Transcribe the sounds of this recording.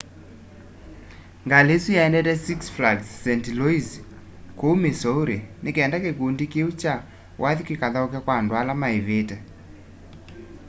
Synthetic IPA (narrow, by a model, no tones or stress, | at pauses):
ŋɡaleswijaɛndɛtɛsiksflaɡsːɛntiloiz | komesɔoɾenekɛndakekondikeut͡ʃa | wʔaðikikaðaɔkɛkwandwalamaeβetɛ